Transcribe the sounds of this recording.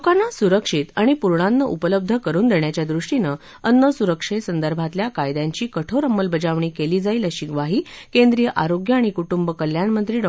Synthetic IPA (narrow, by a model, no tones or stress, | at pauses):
kanːasuɾəkʂit̪aɽ̃ipuɾɳanːəʔupələb̚d̪ʱəkəɾuːnd̪eɳjat͡ɕjad̪ɾuʂʈinə | ənːəsuɾəkʂesənd̪əɾbʱat̪ljakajd̪jaɲt͡ɕiːkəʈʰoɾəmːəlbəd͡ʑaʋɳiːkeliːd͡zailəɕiɡʋaɦiːkend̪ɾijəʔaɾoɡjəaɽ̃ikuʈumbəkəljaɳmənt̪ɾiːɖə